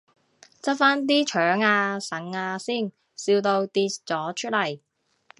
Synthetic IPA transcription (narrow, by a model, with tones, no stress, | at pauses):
t͡sɐ˥t̚faː˥nt̪̬iː˥t͡ʃʰœː˨˥ŋaː˧sɐ˨˥ŋaː˧siː˥˩n | siː˧wt̪o˧wt̪iː˧tt͡sɔː˨˥t͡ʃʰɵ˥t̚lɐ˨˩j